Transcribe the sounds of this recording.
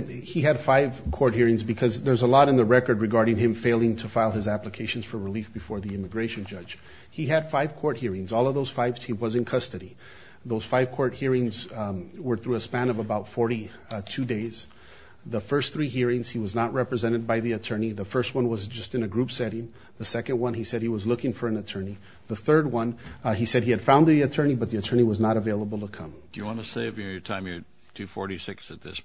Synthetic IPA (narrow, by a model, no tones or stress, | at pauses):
iɨd̥faɪv̥kʰɔɹt̚hiɹɪ̃ŋzbɨkʰʌzðə˞zəlɔɾɨ̃nðəɹɛkə˞d̚ɹɨɡɑɹɾɪ̃ŋɨ̃ɱfeɪlˠɪ̃ŋtʰəfaɪlˠɨzæpləkʰeɪʃn̩z̥fə˞ɹɨlifb̥ɨfɔɹðiɪ̃mɨɡɹeɪʃɨ̃nd͡ʒʌ̥d͡ʒ̥ | hiɨd̥faɪv̥kʰɔɹt̚hiɹɪ̃ŋzɔlˠʌvðoʊz̥faɪvz̥hiwʌzɨ̃nkʰʌstɨɾi | ðoʊz̥faɪv̥kʰɔɹt̚hiɹɪ̃ŋzwə˞θɹʉəspæ̃nʌvəbaʊtfɔɹɾi | tʰʉdeɪz̥ | ðəfɜ˞st̪θɹiɦiɹɪ̃ŋz̥iwʌznət̚ɹɛpɹɨzɛ̃ɾ̃ɨd̚baɪðiɨtʰɜ̃˞niðəfɜ˞st̚wʌ̃nwʌzd͡ʒʌstɨ̃nɨɡɹupsɛɾɪ̃ŋ | ðɨsɛkɨ̃nʔwʌ̃nisɛd̚hiwʌzlʊkɪ̃ŋfə˞ɨ̃nɨtʰɜ̃˞ni | ðəθɜ˞d̚wʌ̃nisɛd̚iɨd̥fãʊ̃nðiɨtʰɜ̃˞nibʌt̪̚ðiɨtʰɜ̃˞ñiwʌznəɾəveɪlˠəbl̩ˠtʰəkʰʌ̃md̥ɨjɨwɑ̃nɨseɪvɨnə˞tʰãɪ̃mjə˞ | tʰʉfɔɹɾisɪksɨt̪̚ðɪ̰s